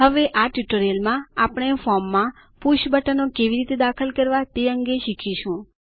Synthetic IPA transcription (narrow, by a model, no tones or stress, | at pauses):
ɦəʋeʔaʈjuʈəɾelmãapɳ̃efɔmːã | puʃbəʈənokeʋiɾit̪ed̪akʰəlkəɾʋat̪eəŋɡeʃikʰiʃũ